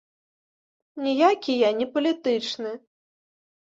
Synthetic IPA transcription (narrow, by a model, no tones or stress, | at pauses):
nʲijakʲijanʲipɐlʲit̪ɨt͡ʂnɨ